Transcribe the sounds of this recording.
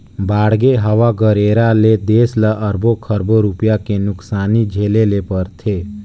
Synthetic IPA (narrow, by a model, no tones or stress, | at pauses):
baːɽ̤ɡeɦəʋaɡəɾeːɾaled̪eːsləʔəɾbokʰəɾboɾupjakenʊksaːnid͡ʒʱeːlelepəɾt̪ʰeː